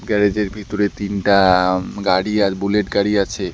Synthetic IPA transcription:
ɡɛɾed͡ʑeɾbʱit̪oɾet̪inʈaɡaɽiabuleʈɡaɽiat͡ɕʰe

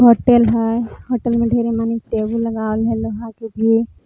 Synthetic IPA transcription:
ɦoːʈelɦajɦoːʈəlmẽɖʱeːɾemanikʈeːbullɐɡaːlɦɛloɦãkebʱi

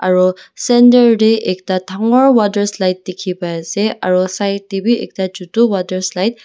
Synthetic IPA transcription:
aɹusɛndəɹɾeʔek̚tatʰaŋɔɹwadəɹslajt̚ːekʰipajseaɹusajtibiʔḛk̚tad͡ʒutuwadəɹslajt̚

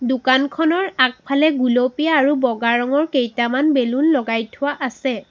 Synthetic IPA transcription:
dʊkankʰɔnɔɹak̚pʰalɛɡulopijaːɹubɔɡaɹɔŋɔɹkejtamanbelunlɔɡajtʰʊwaʔasɛ

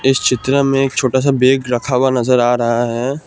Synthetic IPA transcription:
ɪst͡ʃɪt̪ɾəmẽeːk̚t͡ʃʰoːʈas̬abeːɡɾɐkʰaːwanɐzəɾaːɾɐɦaɦɛː

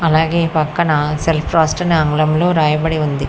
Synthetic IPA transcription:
ɐlaːɡe̞ːpɐkːɐnɐselpʰɾaːsʈɐnɐŋɡlɐmlo̞ːɾaːjɐbɐɽiund̪i

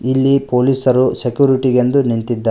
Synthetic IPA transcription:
ilːipoːliːsɐɾusekjuːɾiʈiɡend̪unint̪id̪ːa

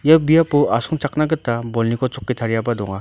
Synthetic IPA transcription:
jabijapuasuŋt͡ʃak̚naɡɯtːabɔlnikʰɔt͡ʃɔkːitʰaɾjabadɔŋa

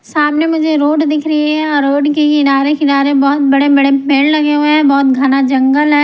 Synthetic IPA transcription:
saːmnemʊd͡ʒʱeɾoːɖd̪ɪkʰɾɐɦiɦɛ̃ɔːɾːoːʈkeiɪdaːɾekɪɪdaːɾebɔːt̪̚bɐɽebɐɽemeːllɐɡeɦueɦɛ̃bɔːt̪ɡʱanad͡ʒɐ̃ŋɡəlɦɛː

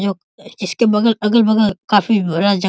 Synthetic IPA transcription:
d͡ʒoː | ɪskebɐɡəlɐɡəlbɐɡəlkaːfibɐɾad͡ʒɐ

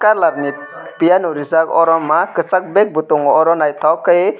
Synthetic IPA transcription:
kaɾlaɾni | pijanuɾizakɔɾɔmːakɯsak̚bɛk̚but̪ɔŋɔɾɔnajt̪ʰawkaj

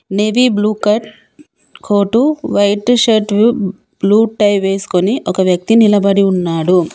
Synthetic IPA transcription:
ne̞ʋibluːkɐʈ | kʰoːʈuʋɐjʈʃɐʈʋu | b̥luːʈːɐjʋe̞ːsu̥ko̞niʔɔkɐʋjɐk̚t̪inilɐbɐɽiunːaːɽu

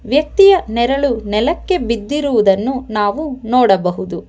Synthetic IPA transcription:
ʋjɐk̚t̪ijɐnɛɾɐɭunɛlɐkːe̞bid̪ːiɾuʋud̪ɐnːunaːʋunɔːɽɐbɐɦud̪u

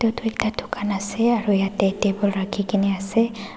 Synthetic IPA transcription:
tɔtuɛk̚tadʰʱukanasɛaɹujatɛtebɔlɹakʰikiniasɛ

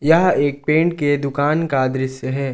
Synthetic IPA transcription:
jɐɦeːk̚pẽːɳʈked̪ʊkaːnkaːd̪ɾɪseɦɛː

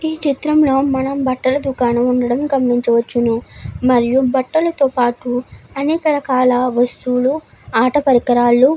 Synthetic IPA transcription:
iːt͡ʃit̪ɾɐmlo̞ːmɐnɐmbɐʈːɐlɐd̪ukaːnɐmuɳɖɐɽɐmɡɐmɳiɲt͡ʃɐʋɐt͡ʃːunumɐɾijubɐʈːɐlɐt̪oːpaːʈuɐnɛːkɐɾɐkaːlɐʋɐst̪uːlu | aːʈɐpɐɾikɐɾaːlːu

